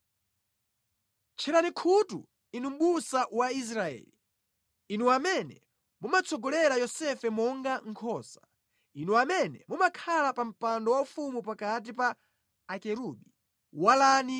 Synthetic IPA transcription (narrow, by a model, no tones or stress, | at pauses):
t͡ʃʰɛɾanikʰutṵ | inum̩ɓusaʔwais̬ɾaɛ̰ːli | inuamɛnɛ̰ | mumat͡sʰɔɡɔlɛɾajɔsɛfɛmɔŋɡaŋ̩kʰɔːsḁ | inuamɛnɛmumakʰalapam̩pandɔwaufumupakat̬ipaː | kɛɾuɓi | walani